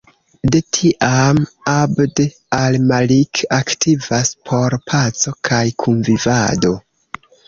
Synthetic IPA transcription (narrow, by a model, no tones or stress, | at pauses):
de̞tʰiʔamabde | almalikaktʰivaspʰo̞ɾpʰat͡so̞kʰajkʰunvivado̞